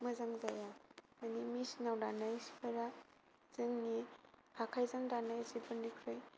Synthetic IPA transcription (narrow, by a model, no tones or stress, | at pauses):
mɐzaŋzajamanimisnawdanajspʰɐɾa | z̥ɯŋnikʰakʰajzaŋdanajzibɯndikʰɾɯj